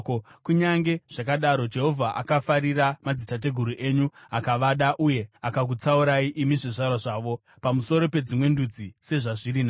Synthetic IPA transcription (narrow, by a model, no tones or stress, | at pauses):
kuɲaŋɡe̞ʐ̥ak̬aɗaɾo̞d͡ʒe̞ɦo̞vʱaʔa̰kafaɾiramad͡zitat̬e̞ɡʱuɾuʔe̞ɲuakaʋaɗaʔuje̞akak̬ut͡sauɾaiʔimiʐiʐarwaʐaːʋo̞ | pamuso̞ɾo̞pe̞d͡zimwe̞ndud͡zise̞ʐaʐiɾina